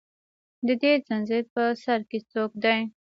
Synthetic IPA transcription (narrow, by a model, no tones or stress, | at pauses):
d̪əd̪ezanzeɾpəsaɾket͡sok̚d̪aj